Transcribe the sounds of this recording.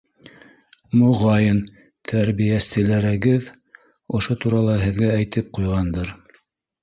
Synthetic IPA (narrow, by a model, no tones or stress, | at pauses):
mŏʁɑjɤn | t̪ʰæɾβijæsɘ̆læɾæɡɘð | ŏʃot̪uɾɑlˠɑɦɘ̆ðɡææjt̪ɘp̚qujʁɑnd̪ɤɾ